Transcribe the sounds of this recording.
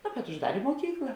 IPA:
noː bʲɛt ʊʒˈdɑːrʲeː muɔˈkʲiːklˠɐ

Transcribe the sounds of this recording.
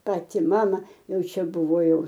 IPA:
ˈpɑːtʲɪ ˈmɑːmɐ ˈjɛʊ ˈt͡ʃʲɛ ˈbʊʋoː ˈjɛʊ

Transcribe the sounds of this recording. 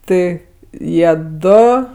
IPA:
ˈtɜ ˈjiɛ ˈdoː

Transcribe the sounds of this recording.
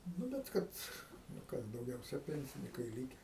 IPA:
ˈnʊ bʲɛt ˈkɐt nʊ ˈkɐs dɐʊˈɡʲɛʊsʲɛ ˈpʲɛnʲsʲɪnʲɪkɐɪ ˈlʲiːkʲɛ

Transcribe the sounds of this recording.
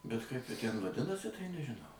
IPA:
bʲɛt kɐɪp ˈjɪ tʲæn ʋɐˈdʲɪnɐsʲɪ tɐɪ nʲɛʒʲɪˈnɐʊ

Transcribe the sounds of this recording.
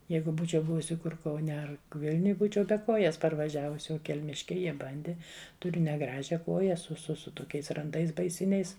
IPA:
ˈjɛɪɡʊ ˈbuːt͡ʃʲɛʊ ˈbʊʋʊsʲɪ ˈkʊr kɐʊˈnʲɛ ˈɐr ˈʋʲɪlʲnʲʊj ˈbuːt͡ʃʲɛʊ bʲɛ ˈkoːjɛs pɐrʋɐˈʒʲæːʋʊs oː kʲɛlʲˈmʲɪʃʲkʲɛɪ ˈjiɛ ˈbɐnʲdʲɪ tʊˈrʲʊ nʲɛˈɡrɑːʒʲɛ ˈkoːjɛ sʊ sʊ ˈsʊ toːˈkʲɛɪs rɐnˈdɐɪs bɐɪˈsʲɪnʲɛɪs

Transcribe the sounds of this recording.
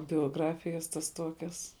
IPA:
bʲoːˈɡrɑːfʲɪjɛs tɐs ˈtuɔkʲɛs

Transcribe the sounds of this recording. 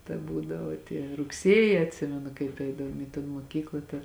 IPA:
tɐ ˈbuːdɐʋoː tʲiɛ rʊkˈsʲiɛjɪ ɐtʲˈsʲɪmʲɛnʊ kɐɪp ˈɛɪdɐʋoːm iː toːn moːˈkʲiːklˠɐ ˈtɐ

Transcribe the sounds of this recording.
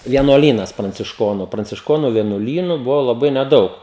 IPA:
ʋʲiɛnuɔˈlʲiːnɐs prɐnʲt͡sʲɪʃˈkoːnʊ prɐnʲt͡sʲɪʃˈkoːnʊ ʋʲiɛnuɔˈlʲiːnʊ ˈbʊʋoː lˠɐˈbɐɪ nʲɛˈdɐʊk

